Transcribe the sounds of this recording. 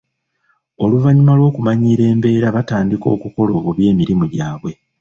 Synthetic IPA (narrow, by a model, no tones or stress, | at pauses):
o̞luvaɲimalwo̞ːkumaɲiɾe̞ːmbe̞ːɾaβataːndiko̞ːkuko̞lo̞ːβoβje̞ːmiɾimuɟaːβwe̞